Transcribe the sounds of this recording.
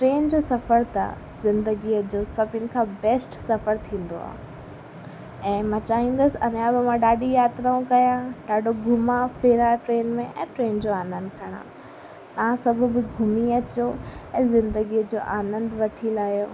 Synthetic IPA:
ʈɾeːnd͡ʑoːsɐfəɾt̪a̰ | zɪ̃nd̪əɡiəd͡ʑoːsɐbʱɪnɪ̆kʰãːbɛːsʈsɐfəɾt̪ʰĩːnd̪o̰a̰ːɦ | ɛ̃ːmãːt͡ɕaːɦĩːn̆d̪əsɪɐnjãbɪmãɗaːɗijaːt̪ɾaũkɐjãɗaːɖoɡʱʊmãfeːɾãʈɾeːnmẽʔɛ̰̃ːʈɾeːnd͡ʑoːaːnə̃nd̪̚kʰɐɽ̃ã̰ | t̪ɐʋãsɐbʱʊbɪɡʱʊmiɐt͡ɕoɛ̃ːzɪ̃nd̪əɡiːəd͡ʑoːʔaːnə̃nd̪ʋɐʈʰilaːɦijo

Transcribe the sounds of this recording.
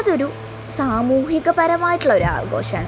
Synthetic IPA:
ɐðo̞ɾu | saːmuːhiɣɐpɐɾɐmaːjiʈːuɭːɐo̞ɾua̰ːɡo̞̰ːɕɐmaːɳɨ

